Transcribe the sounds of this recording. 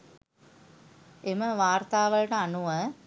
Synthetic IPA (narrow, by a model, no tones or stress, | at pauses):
emɐʋaːrt̪aːʋɐɭʈɐanuʋə